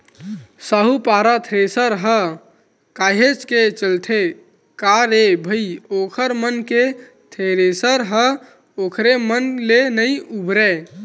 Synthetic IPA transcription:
saɦupaɾat̪ʰɾesəɾɦə | kaɦet͡ʃket͡ʃəlt̪ʰe | kaɾebʱəiokʰəɾmənke | t̪ʰeɾesəɾɦə | okʰɾemənlenəjubɾe

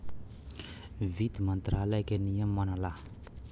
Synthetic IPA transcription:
vid̪imant̪ɾalajkʲaniammanala

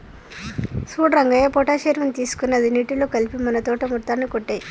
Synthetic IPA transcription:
suːɽɾɐŋɡɐjepɔːʈaːʃeːɾmɐnt̪iːsu̥kunːɐd̪iniːʈiloːkɐlipimɐnɐt̪ɔːʈɐmut̪ːaːnːikoʈːe

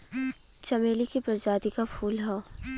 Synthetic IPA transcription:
t͡ʃɐmeːlikipɾɐd͡ʒaːd̪ikafʰuːlɦɔ

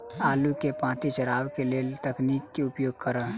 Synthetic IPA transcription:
aːlukepãːt̪iʃɐɾaːʋkeleːlt̪ɐkniːkːiʊpjoːɡ̚kəɾaː

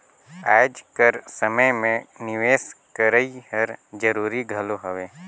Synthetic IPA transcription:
aːd͡ʒkəɾsəməjmẽnɪʋeːskəɾəihəɾd͡ʒəɾuːɾiɡʱəloɦəʋeː

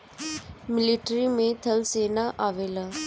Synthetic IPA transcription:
mɪliʈɾimẽt̪ʰɐlseːnaʔaːʋeːla

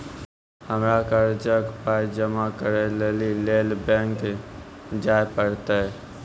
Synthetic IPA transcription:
həmɾakəɾd͡ʒəɡpajd͡ʒəmakəɾelelilelbɛ̃ŋk | d͡ʒaːepəɽt̪e

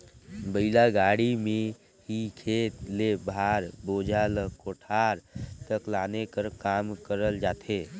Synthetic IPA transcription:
bəɪlaɡaɽime | ɦikʰeːt̪lebʱaɾboːd͡ʒʱaləkoʈʰaɾt̪əklaːnekəɾkaːmkəɾəld͡ʒaːt̪ʰe

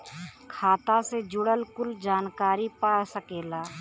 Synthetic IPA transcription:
kʰaːt̪ased͡ʒʊɽəlkʊld͡ʒaːnkaːɾipaːsəkeːlaː

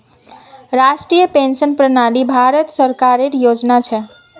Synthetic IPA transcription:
ɾasʈɾijəpensənpɾənaɽibʱaɾət̪səɾkaɾeɾjod͡ʒnat͡ʃʰɛ

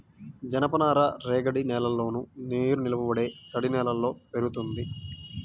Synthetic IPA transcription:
d͡ʒɐnɐpɐnaːɾaɾeːɡɐɽinɛːlɐlːo̞ːnuneːɾunilɐpɐbɐɽe̞ːt̪ɐɽinɛːlɐlːo̞ːpeɾut̪und̪i

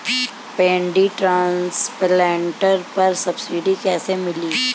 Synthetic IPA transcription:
pɛ̃ːɳɖiʈɾãːnsplɛːɳʈəɾpɐɾsɐbsiːɖikɛːsemɪliː

